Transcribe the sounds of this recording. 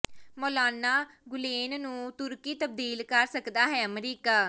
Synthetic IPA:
moːlaːnaːɡʊleːnnũːt̪ʊɾkiːt̪əb̚d̪iːlkəɾsəkd̪aːɦɛːəmɾiːkaː

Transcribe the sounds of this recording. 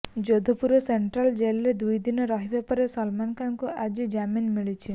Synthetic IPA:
d͡ʒod̪ʱɔpuɾoseɳʈɾald͡ʒelɾed̪ujd̪inɔɾɔɦibapɔɾesɔlmankamkoad͡ʒid͡ʒaminmiɭit͡ʃʰi

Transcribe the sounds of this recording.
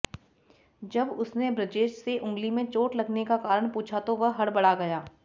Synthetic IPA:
d͡ʒɐbʊsnebɾɪʈeːʃseʔʊ̃ŋɡlimẽt͡ʃoːʈlɐɡnekakaːɾəɽ̃puːt͡ʃʰat̪oʋɐɦɦɐɽbɐɽaɡɐjaː

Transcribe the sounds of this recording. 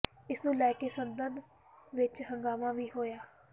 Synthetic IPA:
ɪsnũːlɛːkeːsənb̪ənd̪ | ʋɪt͡ʃɦə̃ŋɡaːmãːʋiːɦoːjaː

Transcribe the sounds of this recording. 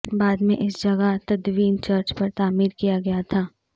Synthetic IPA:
baːd̪mẽʔɪsd͡ʒɐɡat̪ɐd̪ʋiːnt͡ʃɐɾt͡ʃpɐɾt̪aːmiːɾkijaɡɐjat̪ʰaː

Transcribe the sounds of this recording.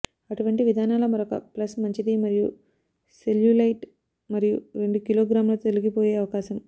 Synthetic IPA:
ɐʈuʋɐɳʈiʋid̪ʱaːnaːlɐmɐɾokɐ̰plɐsmɐɲt͡ʃid̪imɐɾiju | seljulɐjʈ | mɐɾijuɾe̞ɳɖukiloːɡɾaːmlɐt̪oliɡipoːjeːɐʋɐkaːʃɐm

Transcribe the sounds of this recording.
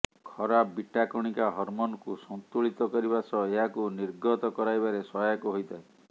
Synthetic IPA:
kʰɔɾabiʈʰakɔɽ̃ikaɦɔɾmonɔkusɔnt̪uɭit̪ɔkɔɾibasɔeɦakuniɾɡɔt̪ɔkɔɾajbaɾesɔjakuɦojt̪ʰae

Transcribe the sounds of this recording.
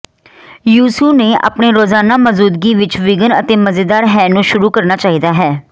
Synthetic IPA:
juːsuːneːʔa̰ːpneːɾoːzaːnaːməzuːd̪ɡiːʋɪt͡ʃʋɪɡənə̰t̪eːməzeːd̪aːɾɦɛːnũːʃʊɾuːkəɾnaːt͡ʃaːɦiːd̪aːɦɛː

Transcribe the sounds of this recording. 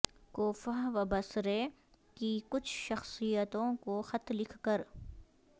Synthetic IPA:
koːfaʋɐbəsɾe | kikʊt͡ʃʰʃɐxsijət̪õkoxɐt̪lɪkʰkəɾ

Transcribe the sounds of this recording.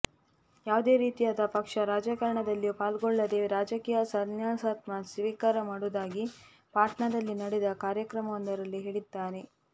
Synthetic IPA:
jaːʋd̪e̞ːɾiːt̪ijaːd̪ɐpɐkʂɐɾaːd͡ʒɐkɐɾɐɳɐd̪ɐlːipaːlɡɔɭːɐd̪e̞ɾaːd͡ʒɐkiːjɐsɐnjaːsaːt̪mɐsʋiːkaːɾɐmaːɽud̪aːɡi | paːʈɳɐd̪ɐlːinɐɽed̪ɐkaːɾjɐkɾɐmɐʋɐnd̪ɐɾɐlːiɦeɭid̪ːaːɾe

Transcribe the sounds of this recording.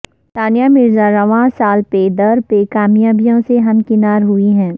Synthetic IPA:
t̪aːnijamɪɾzaɾɐʋãːsaːlped̪ɐɾpekaːmjaːbijõseɦɐmkɪnaːɾɦʊiɦɛ̃ː

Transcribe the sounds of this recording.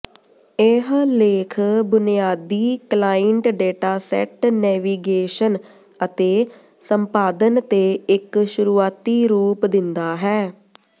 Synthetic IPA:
eɦleːkʰbʊnijaːd̪iːklaːɪɳʈɖeːʈaːsɛ̰ːʈnɛːʋiːɡeːʃən | ət̪eː | səmpaːd̪ənt̪eːɪkʃʊɾuːaːt̪iːɾuːpd̪ɪnd̪aːɦɛː

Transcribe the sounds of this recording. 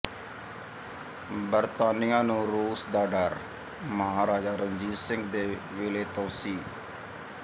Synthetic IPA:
bəɾt̪aːnɪjãːnũːɾuːsd̪aːɖəɾ | məɦaːɾaːd͡ʒaːɾəɲd͡ʒiːɾsɪ̃ŋɡd̪eː | ʋeːleːt̪õːsiː

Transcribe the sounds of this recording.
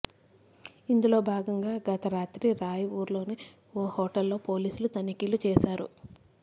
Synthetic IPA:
ind̪ulo̞ːbʱaːɡɐŋɡaːɡɐt̪ɐɾaːt̪ɾiɾaːjɐuːɾlo̞ːni | oːhɔːʈɐlːo̞ːpo̞ːliːsulut̪ɐnikiːlut͡ʃɛːʃaːɾṵ

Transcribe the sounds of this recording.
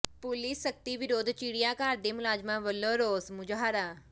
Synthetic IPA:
pʊlisːɐk̚t̪iʋɪɾoːd̪ʱt͡ʃiːɽijakaːɾd̪emʊlaːd͡ʒmãʋəloːɾoːsmʊd͡ʒɦaːɾaː

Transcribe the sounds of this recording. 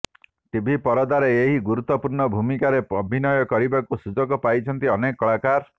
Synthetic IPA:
t̪ibʱipɔɾɔd̪aɾeeɦiɡuɾut̪ːɔpuɾɳɔbʱumikaɾeɔbʱinɔjɔkɔɾibakusud͡ʒɔɡɔpajt͡ʃʰɔnt̪iɔnekɔɭakaɾ

